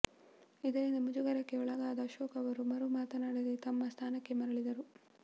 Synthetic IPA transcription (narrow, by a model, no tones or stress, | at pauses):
id̪ɐɾind̪ɐmud͡ʒuɡɐɾɐkːe̞uɭɐɡaːd̪ɐːʃɔːkɐʋɐɾumɐɾumaːt̪ɐnaːɽɐd̪et̪ɐmːɐst̪ʰaːnɐkːe̞mɐɾɐɭid̪ɐɾu